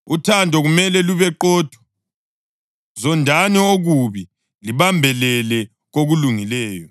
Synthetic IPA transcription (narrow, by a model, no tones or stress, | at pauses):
utʰandʱɔɣumɛlɛluβɛǃɔd̥ʱwɔ̥ | zɔndʱanioɣuβi | liβambʱɛlɛlɛ | ɣoɣuluŋilɛːjɔ